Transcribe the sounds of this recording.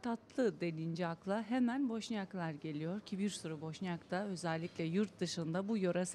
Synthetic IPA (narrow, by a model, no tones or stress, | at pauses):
t̪ʰat̪lˠɯd̪e̞nind͡ʒiaklˠaɦemænbo̞ʃnijaklˠaɾɟe̞lʲijo̞ɾcʰibiɾsuɾubo̞ʃnijakt̪ʰaø̞zɛlʲːicʲlʲɛjuɾt̪̚d̪ɯʃɯnd̪abujoɾas